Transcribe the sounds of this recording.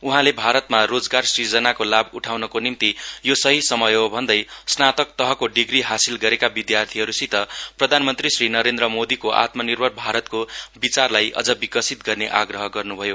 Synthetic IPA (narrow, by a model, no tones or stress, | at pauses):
uɦãlebʱaɾʌt̪marod͡zɡarsird͡zʌnakolabuʈʰawnʌkonimt̪ijosʌɦisʌmʌjobʱʌnd̪ʌjsnat̪ʌk̚t̪ʌɦʌkoɖiɡɾiɦasilɡʌɾekabid̪jart̪ʰiɦʌɾusit̪ʌprʌd̪ʱanmʌnt̪risrinʌɾend̪ɾrʌmod̪ikoʔa̰t̪mʌnirbʱʌrbʱaɾʌt̪kobit͡sarlajʔʌ̰d͡zʌbikʌsit̪ɡʌrneʔaɡɾʌɦʌɡʌrnubʱʌjo